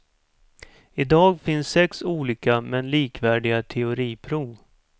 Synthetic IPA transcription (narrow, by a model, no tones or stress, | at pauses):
ɪd̪ɑːɡfɪnsːɛksuːliːkamɛnliːkvæːɖɪɡat̪ʰɛʊɾiːpʰɾuːv